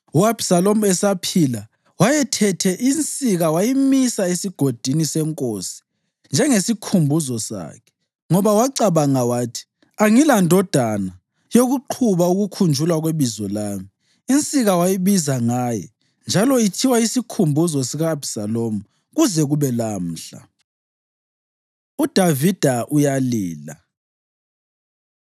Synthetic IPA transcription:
uab̥salomuɛsapʰila | wajɛtʰɛtʰɛʔint͡sʼiɣawajimisaesiɡ̥ʱod̥ʱinisɛŋkʼosi̥ | nd͡ʒʱɛŋesikʰumbʱuzɔsa̰ːkʰɛ̥ | ŋɔβawaǀaβaŋawaːtʰi̥ | aŋilandʱɔd̥ʱana | joɣuǃʰuβauɣukʰund͡ʒʱulwaɣweβizɔlaːmiː | nt͡sʼiɣawajiβizaŋajɛ̰ | nd͡ʒʱalɔitʰiwaisikʰumbʱuzɔsiɣaːbsalomu | ɣuzɛɣuβɛlam̩ːɬa̰ | ud̥ʱavid̥ʱaʔujaliːla

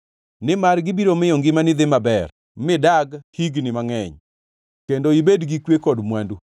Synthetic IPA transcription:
nɪmarɡɪbiɾomɪjoŋɡɪmanɪd̪ɪmabɛr | mɪdaɡhiɡnɪmaŋɛɲ | kendoibedɡikwekɔdmwandu

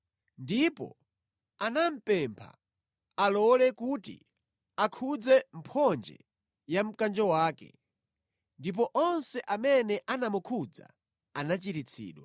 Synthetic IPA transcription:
ndipɔ̰ | anam̩pɛmpʰa̰ | alɔlɛkutḭ | akʰud͡zɛm̩pʰɔnd͡ʒɛ̰ | jam̩kand͡ʒɔwaːkɛ̰ | ndip̬ɔʔɔnsɛʔamɛnɛʔanamukʰud͡za̰ | anat͡ʃiɾit͡sʰḭːɗwa̰

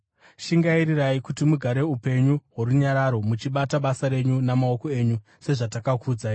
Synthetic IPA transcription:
ʃiŋɡairiraikutimuɡʱaɾe̞upe̞ɲuɦwo̞ɾuɲaɾaɾo̞mut͡ʃiɓataɓasaɾe̞ɲunamao̞ko̞e̞ːɲu | se̞ʐatakakuːd͡zai

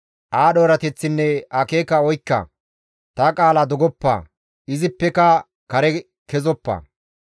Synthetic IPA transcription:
ʔaːɗoːɾɐt̪ɛt͡sːɪnːɛɐkeːkɐɔjkːɐ̰ | t̪ɐkʼaːlɐd̪ɔɡɔpːɐ̰ | ɪzɪpːɛkɐ | kɐɾɛ | kɛzɔpːɐ̰

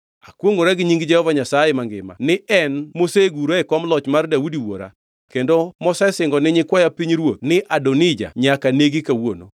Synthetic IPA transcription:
akwoŋɡoɾɛɡɪɲiŋɡd͡ʒɛhɔvaɲasajɛmaŋɡɪ̰ma̰nɪʔɛnmoseɡuɾoɛkɔmlɔt͡ʃmardaudiwo̰ɾa̰ | kendomɔsɛsɪŋɡɔnɪɲɪkwajapiɲɾwot̪̚nɪʔadonɪd͡ʒa̰ɲakaneɡikawo̰no̰

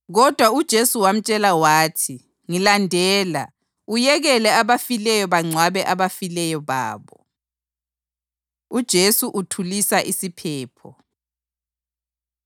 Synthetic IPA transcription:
ɣɔd̥ʱwaud̥ʒ̥ʱesuwam̩t͡ʃʼɛlawaːtʰi | ŋilandʱɛːla̰ | ujɛɣɛlɛaβafilɛjɔβaŋ͡ǀʱwaβɛʔaβafilɛjɔβa̰ːβɔ | ud̥ʒ̥ʱesuʔutʰulisaʔisipʰɛːpʰɔ

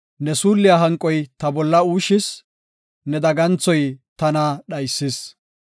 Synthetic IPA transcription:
nɛsuːlːɪjaɦɐŋkʼːɔjt̪ɐbɔlːɐuːʃɪs | nɛd̪ɐɡɐnt͡sɔjt̪ɐnɐɗɐjsːɪs

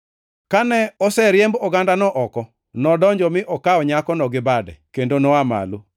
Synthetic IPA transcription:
kanɛɔsɛɾjembɔɡandanɔʔɔkɔ | nɔdɔɲd͡ʒɔmɪʔɔkaɔɲakɔnɔɡɪbadɛ̰kendonɔama̰lu

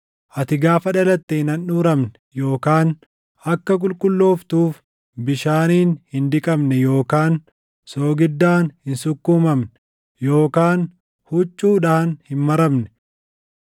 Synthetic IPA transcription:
ʔɐt̪ɪɡaːfɐᶑɐlɐt̪ːɛhɪnɐnːuːɾɐmnɛ̥jo̞ːkaːn | ɐkːɐk̬ʼʊlkʼʊlːo̞ːft̪uːf | bɪʃaːniːnhɪnd̪ɪkʼɐmnɛjo̞ːkaːn | soːɡɪd̪ːaːnhɪnsʊkːʊmɐmnɛ | jo̞ːkaːn | hʊt͡ʃʼːuːᶑaːnhɪnmɐɾɐmnɛ̥

